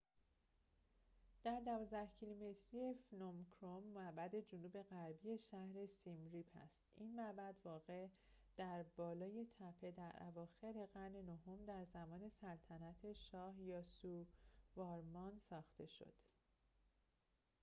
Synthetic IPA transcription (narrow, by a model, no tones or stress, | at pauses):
d̪̥æɾd̪ævɒːzd̪æhcʰilume̞t̪ʰɾije̞fnomkʰɾomːæʔbæd̪e̞d͡ʒonuːbe̞ɣæɾbije̞ʃæhɾe̞simɾipʰæ̰st̪inmæbæd̪vɒːɣe̞ʔ | d̪̥æɾbɒːlɒːjet̪ʰæpʰe̞d̪æɾʔæ̰vɒːxe̞ɾe̞ɣæɾne̞noɦo̞md̪æɾzæmɒːne̞sælt̪ʰænæt̪ʰe̞ʃɒːhjɒːsuvɒːɾmɒnsɒːxt̪ʰe̞ʃo̞̰d̪̥